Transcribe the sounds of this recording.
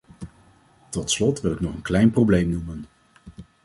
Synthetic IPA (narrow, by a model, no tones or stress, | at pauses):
tɔtslɔtʋɪlɪknɔχənklɛjnprowblejmnumən